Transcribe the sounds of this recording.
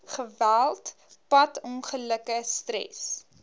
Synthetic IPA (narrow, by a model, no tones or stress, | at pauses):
χəvælˠt | pɐtɔnχələkəstɾɛ̰s